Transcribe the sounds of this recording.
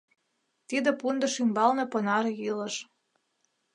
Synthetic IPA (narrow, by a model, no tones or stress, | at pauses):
t̪id̪ə̆pund̪ə̆ʃymbɑlneponɑɾjilə̆ʃ